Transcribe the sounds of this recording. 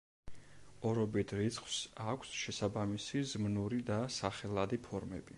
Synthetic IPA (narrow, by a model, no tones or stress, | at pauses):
ɔɾɔbit̪ʰɾit̪sʰχw̥sakʷʰsʃɛsabamisizmnuɾid̪asaχɛlˠad̪ipʰɔɾmɛ̰bi